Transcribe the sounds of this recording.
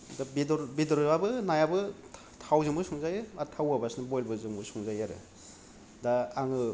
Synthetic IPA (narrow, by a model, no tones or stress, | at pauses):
dabidɔɾbidɔɾabɯnajabɯ | tʰawzɯŋbɯsuŋzajɯatʰawabasnɯbɔjlbɯzɯŋbɯsuŋzajaɾɯ̰ | daaŋɯ